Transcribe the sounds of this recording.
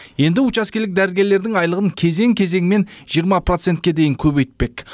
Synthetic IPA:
je̞nd̪ɪʊt͡ʃɑskʲelɪk̚d̪æɾɪlɡʲe̞ɾle̞ɾd̪ɪŋɑjlˠəʁəŋkʲʰe̞ze̞ŋkʲʰe̞ze̞ŋme̞nʒ̥ijəɾmɑpro̞t̪se̞nt̪̚kʲe̞d̪e̞jɪŋkʲʰɵbe̞jt̪̚pe̞k

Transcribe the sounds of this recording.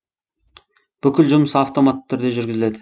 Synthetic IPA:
b̥ʏkʲɪlʒʊməsɑft̪o̞mat̪ːtʰːʏɾd̪e̞ʒʏɾɡʲɪzɪle̞d̪ɪ

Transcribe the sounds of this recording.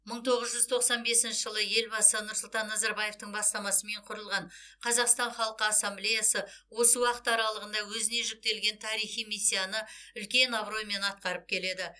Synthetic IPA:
məɴt̪ʰo̞ʁəzʒʏzt̪ʰo̞qsɑnbe̞sɪnʃɪʒəlˠəje̞lbɑsənʊɾsʊlˠt̪ɑnːɑzɑɾbɑje̞ft̪əɴbɑst̪ɑmɑsəme̞ɴqʰʊɾəlˠʁɑɴqʰɑzɑqst̪ɑnχɑlˠəqəɑsːamblejasəwo̞səwɑqə̥t̪ɑɾɑlˠəʁənd̪ɑwɵzɪne̞ʒʏk̚t̪e̞lɡʲe̞nt̪ʰɑɾijχijmisʲːijanəʏlkʲe̞nɑbɾo̞jme̞nɑt̪̚qɑɾəp̚kʲʰe̞le̞d̪ɪ

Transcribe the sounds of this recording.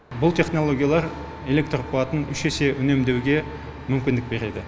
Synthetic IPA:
bʊlˠt̪ʰe̞χno̞lˠo̞ɡʲijalˠɑɾ | e̞le̞k̚t̪rpuɑt̪ənʏʃese̞ʔʏne̞md̪e̞wɡʲe̞ | mʏmkʲɪnd̪ɪk̚be̞ɾe̞d̪ɪ

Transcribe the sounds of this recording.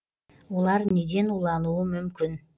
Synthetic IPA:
ulˠɑɾned̪enulˠɑnuːmymkyn

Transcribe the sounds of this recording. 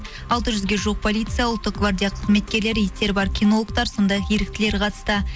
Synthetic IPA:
ɑlˠt̪əʒʏzɡʲe̞ʒuq̚pʰolʲijt̪sɨjawʊlˠt̪ːəq̚ɡvard̪ʲijaqʰəzme̞t̪̚kʲe̞ɾle̞ɾjɪt̪e̞ɾbɑɾkʲʰijno̞lˠək̚t̪ɑɾso̞nd̪ɑjɑqje̞ɾɪk̚t̪ɪle̞ɾqʰɑt̪ə̥st̪ə

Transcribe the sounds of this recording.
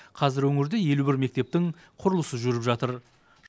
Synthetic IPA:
qʰɑzɪɾwɵŋɪɾd̪ɪje̞lubɪɾme̞k̚t̪e̞p̚t̪ɪŋ | qʰʊɾəlˠəsəʒʏɾɪpʒɑt̪əɾ

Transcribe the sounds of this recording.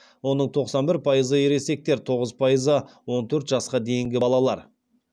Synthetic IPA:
wo̞nəɴt̪ʰo̞qsɑnbɪɾpʰɑjəzəje̞ɾe̞se̞k̚t̪e̞ɾt̪ʰo̞ʁəzpʰɑjəzəwo̞nt̪ʰɵɾt̪ʒɑsqɑd̪e̞jɪŋɡʲɪbɑlˠɑlˠɑ̰ɾ

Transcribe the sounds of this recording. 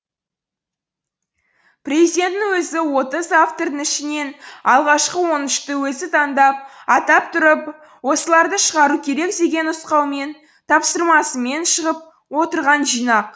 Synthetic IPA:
prʲezid̪e̞nt̪ːɪwɵzɪwo̞t̪əzaft̪o̞rd̪əŋɪʃɪne̞nɑlˠʁɑʃqəwo̞nɪʃt̪əwɵzɪt̪ʰɑnd̪ɑp̚ɑt̪ɑp̚t̪ʰʊɾəp | wo̞səlˠɑɾd̪əʃəʁɑɾukʲʰe̞ɾe̞kd̪e̞ɡʲe̞nʊsqɑwme̞n | t̪ʰɑpsəɾmɑsəme̞nʃəʁəp̚ | wo̞t̪əɾʁɑnʒijnɑq̚

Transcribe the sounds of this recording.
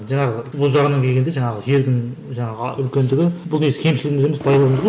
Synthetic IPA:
ʒɑɴɑʁəbʊlˠʒɑʁənɑŋkʲʰe̞lɡʲed̪e̞ʒɑɴɑʁəje̞ɾd̪ɪŋʒɑɴɑʁəʏlkʲe̞nd̪ɪɡʲɪbʊlˠnesɪ̥kʲʰe̞mʃɪlɪɡʲɪmɪzemɪzpʰɑjd̪ɑəməzbo

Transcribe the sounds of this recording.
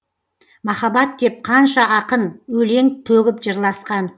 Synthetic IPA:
mɑχɑbɑt̪̚k̪ʲe̞p̚qʰɑnʃɑʔɑqənwɵle̞ŋt̪ʰɵɡʲɪpʒəɾlˠɑsqɑn

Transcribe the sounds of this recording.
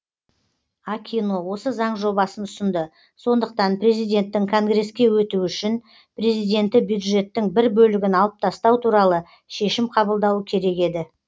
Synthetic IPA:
ɑkʲʰinowo̞səzɑɴʒo̞bɑsənʊsənd̪ə | so̞nd̪əq̚t̪ɑnpre̞zijd̪ʲe̞nt̪ːɪŋkʰo̞ŋɡre̞skʲe̞wɵt̪uʏʃɪn | pre̞zijd̪e̞nt̪ɪbjud̪ʒe̞t̪ːɪŋbɪɾbɵlɪɡʲɪnɑlˠəp̚t̪ʰɑst̪ɑwt̪ʰuɾɑlˠə | ʃe̞ʃɪmqʰɑbəlˠd̪ɑwəkʲʰe̞ɾe̞ke̞d̪ɪ

